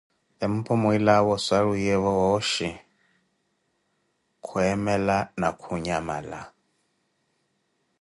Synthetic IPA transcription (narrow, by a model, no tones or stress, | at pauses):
ɛm̩pʰɔmuilawɔsaɺujɛβɔwɔʃi | kʰuɛmɛlanakʰuɲama̰la̰